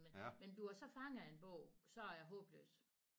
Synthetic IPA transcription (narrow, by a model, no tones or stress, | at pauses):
menmend̥uɐsɒ̽fɑ̈ŋenb̥ɔʊ̰sɒ̽æɐjɑ̈ɦɔ̰̽ːb̥lø̰ːs